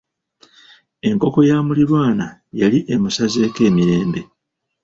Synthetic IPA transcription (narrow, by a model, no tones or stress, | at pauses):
e̞ŋko̞ko̞jaːmuliɾwaːnajaliʔemusaze̞ːke̞ːmiɾe̞ːmbe̞